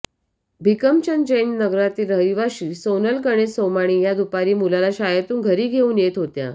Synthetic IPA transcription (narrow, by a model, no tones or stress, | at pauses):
bʱikəmt͡ɕənd͡ʑennəɡɾat̪iːɾəiʋaɕiːsonəlkəɽ̃esomaɽ̃iːjad̪upaɾiːmulalaɕajət̪uːnɡʱəɾiːɡʱeuːnjet̪ɦot̪ja̰